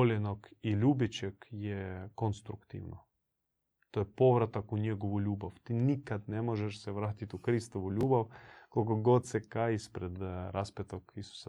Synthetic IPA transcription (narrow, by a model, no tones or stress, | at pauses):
olʲenokiʎʲuːbit͡ʃekjekonst̪ɾukt̪ḭʋno | t̪ojepoʋɾat̪akuɲeɡoʋuʎʲuːbawt̪inikad̪nemoʒɛʃsɛʋɾaːt̪it̪ukɾist̪oʋuʎʲuːbawkolkoɡod̪sekajispɾed̪ɾʔaspet̪okisu̥sa